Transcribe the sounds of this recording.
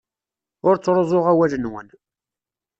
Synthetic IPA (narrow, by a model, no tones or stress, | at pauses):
ʊɾt͡sːɾˤozˤoʁæwælənwən